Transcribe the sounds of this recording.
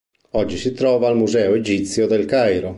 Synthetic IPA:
ɔd͡ʒːisit̪ɾɔːvaːlmuzɛːoed͡ʒit̪sjod̪elkajɾo

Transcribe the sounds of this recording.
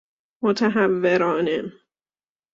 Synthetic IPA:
mot̪ʰæɦævːeɾɒːnen

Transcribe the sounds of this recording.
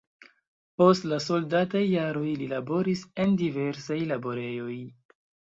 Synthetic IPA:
po̞stlaso̞ldatajːaɾo̞jlilabo̞ɾise̞ndive̞ɾsajlabo̞ɾe̞jo̞j

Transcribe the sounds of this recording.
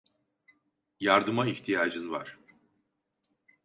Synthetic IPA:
jaɾd̪ɯmaiçt̪ʰijaːd͡ʒɯnva̰ɾ̥

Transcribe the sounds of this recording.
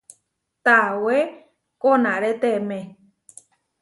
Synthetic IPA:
t̪awe | kõnãɾet̪emẽ

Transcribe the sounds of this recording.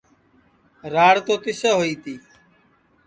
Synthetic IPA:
ɾaːɽt̪oːt̪ɪsaːɦoːiːt̪iː

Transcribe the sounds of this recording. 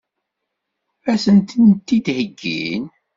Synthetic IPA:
æsənt̪ənt̪ːid̪həɡːḭn

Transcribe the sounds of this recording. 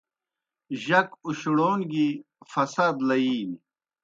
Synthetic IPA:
ʑɐkuɕuɽoːnɡi | fɐsaːd̪lɐiːn

